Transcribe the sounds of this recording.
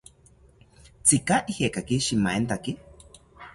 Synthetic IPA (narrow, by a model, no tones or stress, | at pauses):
t͡sikaʔihekakiʃimaent̪aki